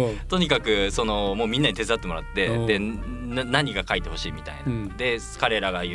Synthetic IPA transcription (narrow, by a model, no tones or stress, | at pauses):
t̪o̞ɲ̟ikakɯ̟sono̞moːmʲĩnːaɲ̟it̪e̞zɨat̪ːe̞mo̞ɾa̰t̪ːe̞d̪e̞nnaɲ̟iɡakait̪e̞ho̞ɕiːmʲit̪a̰ḭnad̪e̞ | kaɾe̞ɾaɡaj